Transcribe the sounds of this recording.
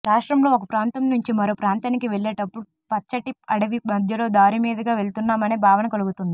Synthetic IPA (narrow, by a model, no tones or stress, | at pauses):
ɾaːʂʈɾɐmlo̞ːokɐpɾaːnt̪ɐmnuɲt͡ʃimɐɾo̞ːpɾaːnt̪aːnikiʋeɭːeːʈɐpːuɽu | pɐt͡ʃːɐʈiɐɽɐʋimɐd̪ʱjɐlo̞ːd̪aːɾimiːd̪ɐɡaːʋe̞ɭt̪unːaːmɐneːbʱaːʋɐnɐkɐluɡut̪und̪i